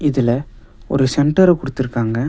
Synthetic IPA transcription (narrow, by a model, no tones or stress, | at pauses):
ɪðɪlɐ | ɔ̰ɾɯsɛɳʈɐɾɛkʊɽɯt̪ːɪɾɯkːaːŋɡɐ